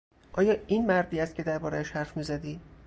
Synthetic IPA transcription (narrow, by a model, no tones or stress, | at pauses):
ʔɒːjɒːinmæɾd̪iːæst̪cʰe̞d̪æɾbɒːɾææʃhæɾfmiːzæd̪iː